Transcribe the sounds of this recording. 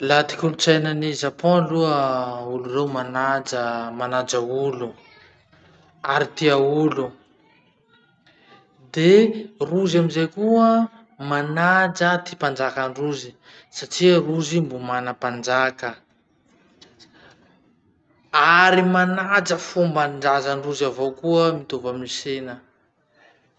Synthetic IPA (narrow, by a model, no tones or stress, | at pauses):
lat̪i̥kʲulut͡sajnənizapɔ̃luəulurewmanad͡ʒəmanad͡ʒaulu | aɾit̪iaulu | d̪eruzamizekuə | manad͡ʒət̪ipand͡ʒakaɳruzi | saʈ͡ʂiɾuzimbumanəpand͡ʒakə | aɾimanad͡ʒəfumbaɳɖ͡ʐazaɳɖ͡ʐuzavokuəmit̪ovaminisenə